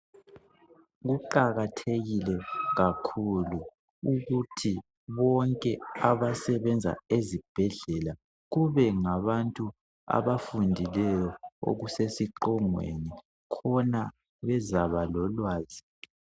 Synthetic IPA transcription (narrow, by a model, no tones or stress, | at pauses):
ɣuǃaɣatʰeɣilɛɣakʰulu | uɣutʰi | βɔŋkʼɛaβasɛβɛnd͡zʱa̰ezib̥ʱɛɮɛla | ɣuβɛŋaβantʼu | a̰βafundʱilɛjɔo̰ɣusesiǃɔŋwḛni | kʰɔna | βɛzaβalɔlwaːzi